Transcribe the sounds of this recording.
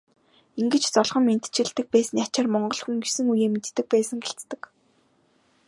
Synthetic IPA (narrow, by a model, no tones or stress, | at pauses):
iŋɡɘ̆t͡ɕt͡sɔɮχɞ̆mːen̥t̪ʰt͡ɕɪ̆ɮt̪ɘ̆k̚pæːsɘ̆nat͡ɕaːrmɔɴɢɞ̆ɮxuŋɡesɘ̆ŋujeːmet̪ːɘ̆k̚pæːsə̆ŋɡeɬt͡st̪ɘ̆k